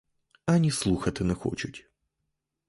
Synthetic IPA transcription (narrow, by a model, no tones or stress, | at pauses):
ɐnʲɪslˠuxɐt̪ɨnɛxo̰t͡ɕʊtʲ